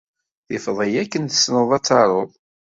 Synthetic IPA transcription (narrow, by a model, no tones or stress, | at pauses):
θɪfðˤəjækːənθə̥snəðˤɑt͡sːɑɾˤoðˤ